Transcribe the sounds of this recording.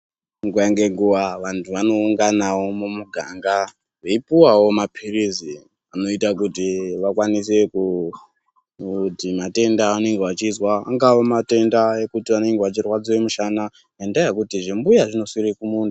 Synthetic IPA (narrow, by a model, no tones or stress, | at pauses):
ŋɡuaŋɡe̞ŋɡuʋaʋantʰuʋano̞uŋɡanawo̞mumuɡʱa̰ŋɡa | ʐe̞ipiwawo̞mapʰirizi | ano̞itakutiʋakwanis̬e̞ku | timate̞ndaane̞ŋɡeʋat͡ʃizwaaŋɡawomate̞ndaekutiʋane̞ŋɡeʋat͡ʃirwad͡ziwomuʃana | jendajekutiʐembujaʐino̞sirikumuːndu